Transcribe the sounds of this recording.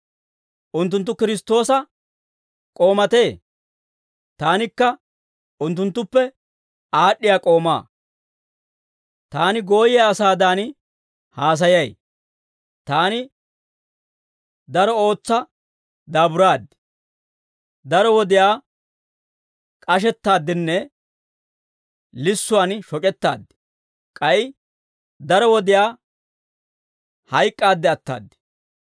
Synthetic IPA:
ʔʊnt̪ːʊnt̪ːʊkɪɾɪst̪o̞ːsɐ | kʼo̞ːmɐt̪e̞ː | t̪aːnɪkːɐ | ʊnt̪ːʊnt̪ːʊpːɛ | aːɗːɪjaːkʼo̞ːma̰ː | t̪aːnɪɡo̞ːjɛɐsaːd̪aːn | haːs̬ɐjɐj | t̪aːnɪ | d̪ɐɾɔo̞ːt͡sːɐ | d̪aːbʊɾaːd̪ːɪ̥ | d̪ɐɾɔwɔd̪ɪjaː | kʼɐʃ̬ɛt̪ːaːd̪ːɪnːɛ | lɪsːʊwaːnʃɔkʼɛt̪ːa̰ːd̪ːɪ̥ | kʼɐjɪ | d̪ɐɾɔwɔd̪ɪjaː | hɐjkʼːaːd̪ːɛɐt̪ːa̰ːd̪ːɪ̥

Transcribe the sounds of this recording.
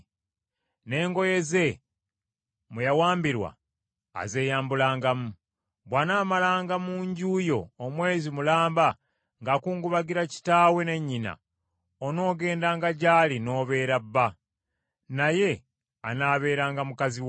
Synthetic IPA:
ne̞ːŋɡo̞je̞ze̞ | mujawaːmbiɾwa̰ː | ze̞ːjaːmbulaːŋɡamu | βwanaːmalaːŋɡamuɲɟuːjo̞ːmwe̞ːzimulaːmba | ŋɡakuːŋɡuβaɡiɾaci̥taːwe̞ne̞ɲːina̰ | ono̞ːɡe̞ːndaːŋɡaɟaːlino̞ːβe̞ːɾabːa | naje̞ | anaːβe̞ːɾaːŋɡamukazi

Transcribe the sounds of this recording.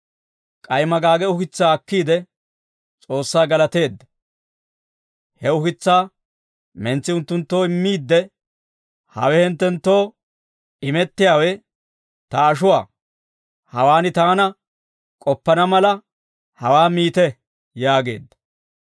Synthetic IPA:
kʼɐjmɐɡaːɡɛʊkɪt͡sːaːɐkːiːd̪ɛ | t͡sʼo̞ːsːaːɡɐlɐt̪e̞ːd̪ːɐ | hɛʊhɪt͡sːaː | mɛnt͡sːɪʊnt̪ːʊnt̪ːo̞ːɪmːiːd̪ːɛ | hɐ̰wɛhɪnt̪ːɛnt̪ːo̞ː | ɪmɛt̪ːɪjaːwɛ | t̪ɐːʃʊwa̰ː | hɐwaːnɪt̪aːnɐ | kʼɔpːɐnɐmɐlɐ | hɐwaːmiːt̪ɛ | jaːɡe̞̰ːd̪ːɐ̥

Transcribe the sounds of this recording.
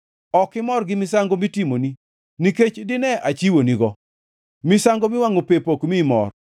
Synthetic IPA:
ɔkɪmɔrɡɪmɪsaŋɡomitimoni | niket͡ʃdɪnɛʔat͡ʃiwoniɡɔ | mɪsaŋɡomɪwaŋopepokmimɔ̰r

